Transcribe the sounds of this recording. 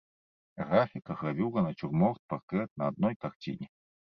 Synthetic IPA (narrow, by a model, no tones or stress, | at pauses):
ɣafʲikɐɣɾavʲuʁɐnɐt͡ʃurmɔrt̪̚pakɾɛt̪̚nɐːd̪̚nɔjkaxt͡sʲḭnʲi